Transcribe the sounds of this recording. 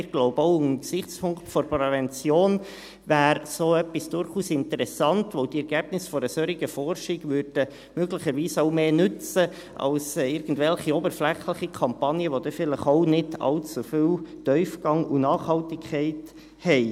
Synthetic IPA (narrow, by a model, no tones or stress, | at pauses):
ɡ̥loʊbəoʊnksɪχt͡spʰʊŋktfɔɾpɾɛvɛnt͡sjoːn | ʋæːɾsoːœpːisd̥ʊɾχuːsɪntəɾɛsɑntʋoʊd̥iɛɾɡ̥æb̥nɪsfɔɾəsøɾiɡəfɔrʃiɡʋʏɾd̥ə | møɡləχəɾʋiːsoʊmeːnʏt͡sə | ʔɑ̰lsɪɾɡn̩dvɛlχiɔbəɾflɛχləχikʰɑmpɑnjəʋod̥̪ɛfɪləχoʊnɪdɑ̰lt͡sufywtœʏfɡ̥ɑŋunɑːχhɑltɪkʰχɛɪt | hɛɪ